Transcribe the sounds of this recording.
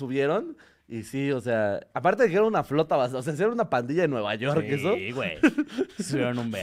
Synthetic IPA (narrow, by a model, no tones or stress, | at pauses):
suβje̞ɾo̞n | isio̞se̞aapaɾt̪e̞ðekeeɾanunaflo̞t̪aβasos̬eas̬ieɾanunapand̪iʝaðenwe̞βa̰ʝo̞ɾkes̬owḛjsuβjeɾonumbe